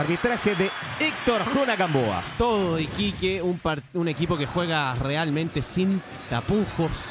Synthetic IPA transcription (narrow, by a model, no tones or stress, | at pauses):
aɾβit̪ɾaxeðe | ik̚t̪oɾxunakamboa̰t̪oðoikikeumpaɾune̞kipo̞kexwe̞ɣarealmẽnt̪e̞sin | t̪apuxos